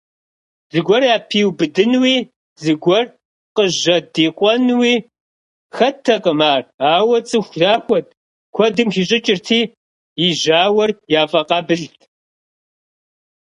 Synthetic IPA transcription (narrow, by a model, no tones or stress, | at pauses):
zɨɡʷɔraːpʰiwbɨdɨnwiː | zɨɡʷɔr | qəʑɐdiːqʷʼɔnwiː | xɐtʰɐqʼəmaːraːwɐt͡sʼɨxʷʒaːxʷɔt̚ʰ | kʷʰɔdɨmxiɕ̬ʼɪt͡ʃʼɪrtʰiː | ɪʒaːwɐrjaːfʼɐqɑːbɨɮtʰ